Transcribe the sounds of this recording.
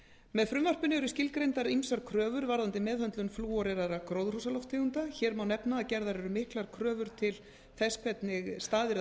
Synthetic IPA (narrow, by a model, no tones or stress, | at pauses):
mɛðfɾʏmvar̥pʏnɪɛɾʏscɪlkɾejnt̪aɾimsaɾkʰɾœːvʏɾvaɾðant̪ɪmɛːðhœnt̪lʏnfluːɔɾɛɾaɾakɾoːwðrusalɔft̪ʰːɪunt̪açɛːɾmawnɛpnaːcɛɾðaɾɛɾʏmɪhklaɾkʰɾœːvʏɾ̥t̪ʰɪl | θɛskʰɛt̪nɪɣst̪aːðɪɾ